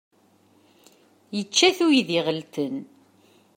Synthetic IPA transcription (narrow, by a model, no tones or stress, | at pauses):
jət͡ʃːæθujiðɪʁəlt̪ən